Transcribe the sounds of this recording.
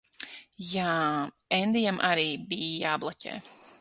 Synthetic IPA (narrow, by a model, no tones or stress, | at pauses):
jaː | ɛnd̪ijamʔaɾiːbijablˠacʲɛ̰ː